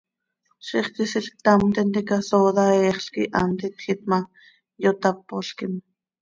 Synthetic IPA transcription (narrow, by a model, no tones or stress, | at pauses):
ʃiχkisiɬk̚t̪ɑmt̪ɛnt̪ikasoːðɑɛːχɬkḭʔɑ̰mt̪it̪xit̪̚mɑ | jot̪ɑpːoɬkim